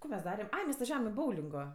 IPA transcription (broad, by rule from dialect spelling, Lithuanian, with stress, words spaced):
koː mʲɛs ˈdɑːrʲɛm ˈɐɪ mʲɛs ʋɐˈʒʲæːʋɐm ɪ ˈboːʊlʲɪŋɡoː